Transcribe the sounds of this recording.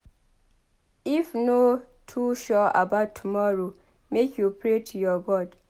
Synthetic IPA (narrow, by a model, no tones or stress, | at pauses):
ifno | tʰuʃɔa̰baʊtʰːumɔɹo | mekʰjupɹetʰujɔɡɔd